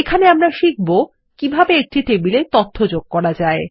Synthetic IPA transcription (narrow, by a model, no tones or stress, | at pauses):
ekʰaneamɾaʃik̚ʰbo | kibʱabeek̚ʈiʈebilet̪ot̪ʰːod͡ʑoɡ̥̚kɔɾad͡ʑae